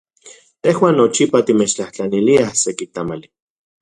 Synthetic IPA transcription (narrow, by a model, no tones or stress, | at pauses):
t̪ehwaːnːot͡ʃipat̪imet͡ʃt͡ɬaht͡ɬaniliahsekit̪amali